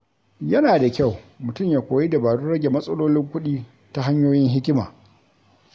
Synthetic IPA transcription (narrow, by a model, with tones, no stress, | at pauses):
jɐ˦naː˨da˨kʲa˦˨wmʊ˨tʊ˦mjaː˨kʷoː˨ji˦da˨baː˨ɽu˦ɽɐ˦ɡʲe˨mɐ˦sʼɐ˦loː˦lɪ˦ŋkʷʊ˦ɗiː˦ | ta˦ɦa˦ɲjoː˦jɪ˦nɦɪ˦kʲɪ˦ma̰ː˨